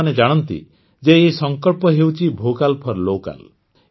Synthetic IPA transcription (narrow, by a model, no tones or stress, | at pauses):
aned͡ʒaɽ̃ɔnt̪ḭ | d͡ʒeesɔŋkɔɭpɔɦewt͡ʃʰibʱokalpʰɔɾloka̰l